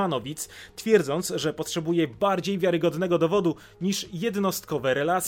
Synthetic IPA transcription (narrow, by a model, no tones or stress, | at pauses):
anɔvʲit̪st̪fʲjɛɾd̪zɔnt̪sʐɛpɔtʂɛbujɛbaɾd͡ʑejvʲjaɾɘɡɔd̪nɛɡɔd̪ɔvɔd̪u | ɲiʂjɛd̪nɔst̪kɔvɛɾɛlat̪sʲ